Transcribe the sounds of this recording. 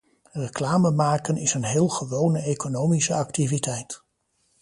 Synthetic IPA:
rəklaːməmaːkənɪsənɦɪːlˠχəʋownəejkonowmisəɑktivitɛjt

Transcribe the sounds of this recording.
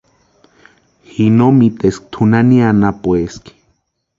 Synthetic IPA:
hinomit̪esk̚t̪ʰunanianapweski̥

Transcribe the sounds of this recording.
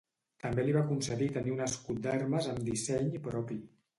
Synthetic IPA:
t̪əmbeliβakunsəðit̪əniunəskut̪̚d̪ɛɾməzəmd̪isɛɲpɾɔpi

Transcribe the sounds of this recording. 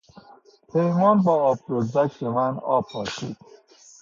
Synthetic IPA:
pʰehmɒːnbɒːbʰɾozd̪ækʰt̪emænɒ̰ːpʰɒːʃḭːd̪̥

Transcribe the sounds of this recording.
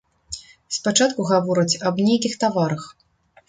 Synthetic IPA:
spat͡ʂat̪kuɣavɔɾɐt͡sʲɐbnʲejkʲixt̪avaɾɐx

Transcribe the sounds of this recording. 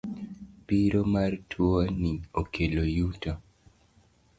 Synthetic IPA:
piɾomartʰwoniokʰelojuta

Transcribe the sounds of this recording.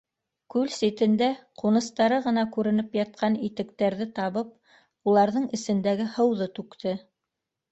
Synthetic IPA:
kʉlsit̪ɘ̆nd̪æqunɤ̆st̪ɑɾɤʁɤ̆nɑkʉɾɘ̆nɘpjɑt̪̚qʰɑnit̪ɘ̆kt̪æɾðɘt̪ɑβɤp̚ | ulˠɑɾðɤɴɘ̆sɘ̆nd̪æɡɘhɤ̆wðɤt̪ʉkt̪ɘ

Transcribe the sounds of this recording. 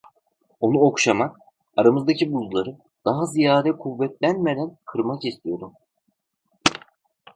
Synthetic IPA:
o̞nuo̞kʃamak | aɾamɯzd̪acibuzlˠaɾɯ | d̪̥aɦazijaːd̪ɛkʰuvːɛt̪lʲænme̞d̪ænkʰɯɾmakist̪ʰijo̞d̪um

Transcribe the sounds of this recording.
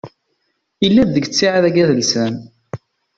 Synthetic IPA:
ilːæððəɡt͡sːiʕaðæɡæðəlsən

